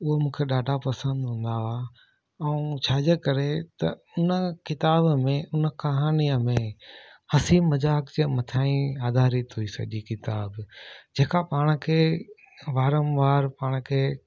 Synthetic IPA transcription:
ʊɦomũːkʰeɗaːɖʱapɐsə̃nd̪ɦũːn̆d̪aa | ɛũt͡ɕʰaːd͡ʑəkɐɾet̪ɐʊnəkɪt̪aːbmẽʊnə̆kɐɦaːniəmẽhɐsiːmmɐd͡ʑaːkt͡ɕemɐt̪ʰaːĩaːd̪ʱaːɾit̪ɦuisɐ̰ʄikɪt̪aːbd͡ʑeːkapaːɽ̃kʰeː | ʋaːɾə̃mʋaːɾpaːɽ̃kʰeː

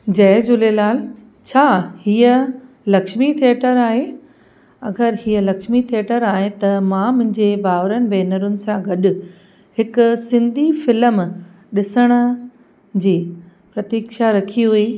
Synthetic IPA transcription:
d͡ʑɐːd͡ʑʊlelaːl | t͡ɕʰaːhiːə | lɐkʃmit̪ʰieːʈəɾaːɦe | ɐɡəɾhiːəlɐkʃmit̪ʰieːʈəɾaːɦet̪ɐmãmʊ̃ɦɪ̃ɲd͡ʑebaːʋɾənɪ̆bɛːnəɾʊnɪ̆sãɡɐɗʊ | hɪkʊsɪ̃nd̪ʱifɪləm | ɗɪsəɽ̃ə̆ | d͡ʑiː | pɾɐt̪iːkʃaɾɐkʰiɦuiː

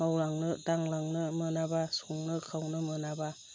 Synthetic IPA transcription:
mawlaŋnɯdaŋlaŋnɯmɯnabasuŋnɯkʰawnɯmɯnaba

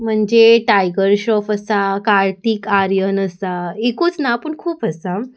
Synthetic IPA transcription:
m̤əɳd͡ʑeʈajɡəɾɕɔfəsakaɾt̪ikaɾjənəsaekuːt͡snaːpəɳkʰuːpəsa

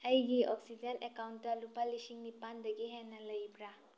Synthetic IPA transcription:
əjɡiʔɔksid͡ʒənekawntːalupalisiŋnipand̪ɐɡiɦɛnɐləjbɾa

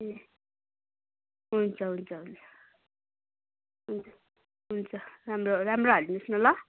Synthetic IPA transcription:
e | ɦunt͡sʰʌɦunt͡sʰʌɦunt͡sʰʌ̥ | ɦunt͡sʰʌ̥ | ɦunt͡sʰʌramroramroɦʌlinusnʌlʌ

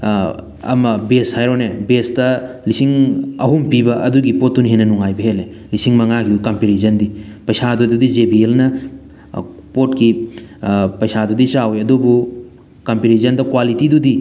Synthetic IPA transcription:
ɐ̰mɐbeshajɾonebesdɐlisiŋɐ̰ɦumpibɐɐduɡipot̚duniɦenːɐnuŋajbɐɦele | lisiŋmɐŋaɡidukampiɾizɐndipɐjsadududizebielnɐ | potki | pɐjsadudisawjɐdubu | kampiɾizɐndɐkwalitidudi

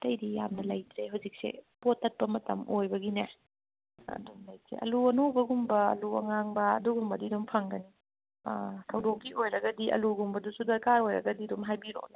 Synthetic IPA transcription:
tɐjɾija̰mnɐlɐjtɾeɦawzik̚sḛpotːɐt̚pɐmɐtɐ̰mʔojbɐɡine | ɐ̰dumlajsʰḛɐ̰luɐnobɐɡumbɐɐ̰luɐ̰ŋaŋbɐ̰ːduɡumbɐdidumpʰɐŋɡɐnḭ | tʰɐwdokːiʔojɾɐɡɐdiʔɐ̰luɡumbɐdusudɐkaɾojɾɐ̰ɡɐdidumɦajbiɾo̰ne

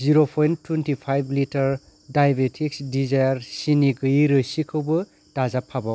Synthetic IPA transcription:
ziɾopʰojntʰwentipʰajblitɐɾ | dajbetʰiksdizajaɾsiniɡɯiɾɯsikʰɯwbɯ | d̥azapʰːabaw

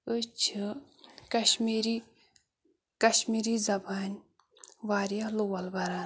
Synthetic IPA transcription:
ət͡ʃʰɨ | kɐɕmiːɾi | kɐɕmiɾiːzɐbaːnʲ | ʋaːɾjalowɐlbɐɾaːn

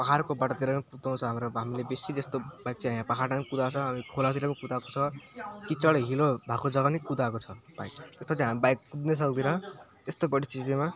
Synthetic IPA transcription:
pʌɦʰarkobaʈat̪iɾapikut̪aw̃t͡sʰʌɦamɾoɦamilebesid͡zʌst̪obajk̚t͡sʰiɦãjãpʌɦʰaranikud̪at͡sʰʌɦamikʰolat̪iɾapiikut̪ako̥t͡sʰʌkit͡sʌɽɦilobʱakod͡zʌɡʌnikut̪akot͡sʰʌb̥ajkt̪espʌt͡sʰĩɦamibajk̚kud̪nes̬ʌk̚d̪iɾʌt̪est̪obʌɽit͡sizima

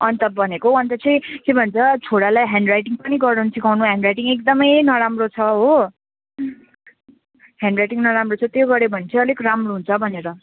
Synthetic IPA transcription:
ʌnt̪ʌbʌnekoʌnt̪ʌt͡sʰʌj̃kebʱʌnt͡sʰʌt͡sʰoɽalajɦaɳɖrajʈiŋpʌniɡʌrnʌnsʰikʰawnuɦãɳɖrajʈiŋek̚d̪ʌmʌjnʌɾamrot͡sʰʌɦo | ɦãɳɖrajʈiŋnʌɾamrot͡sʰʌt̪joɡʌɾebʱʌnet͡sʰʌ̃ʌlekoramroɦunt͡sʰʌbʱʌneɾʌ

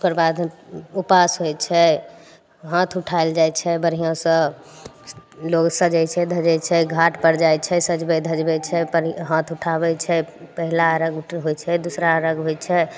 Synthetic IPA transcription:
ukəɾbad̪upasɦojt͡ʃʰɛ | ɦãt̪ʰuʈʰaeld͡ʒajt͡ʃʰɛbəɾɦijãsə̃ | loɡsə̃d͡ʒɛjt͡ʃʰɛd̪ʱəd͡ʒɛt͡ʃʰɛɡʱaʈʰpəɾd͡ʒajt͡ʃʰɛsəd͡ʒbɛd̪ʱəd͡ʒbɛt͡ʃʰɛpəɦãt̪ʰuʈʰabɛt͡ʃʰɛpəɦilaəɾəɡɦojt͡ʃʰɛd̪usɾaəɾəɡɦojt͡ʃʰɛ

